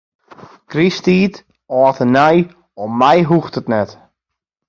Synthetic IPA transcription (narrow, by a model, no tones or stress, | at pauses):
kristiːt | ɔːtənɛj | ɔmːɛjɦuxtətnɛt